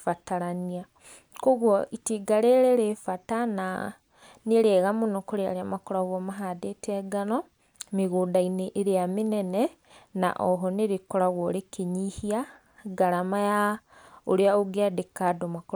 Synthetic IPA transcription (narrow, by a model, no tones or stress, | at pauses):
fataɾania | koɣwoʔitiːɡaɾeɾeɾefatana̰ | niɾeɣamonokoɾea̰ɾamakoɾaɣomaɦadetɛɡanɔ | miɣuːndaineʔːɾeaminene | na̰ʔɔɦɔneɾikoɾaɣwoɾekeɲihia | ɡaɾamajaoɾeaoɡeadekadomako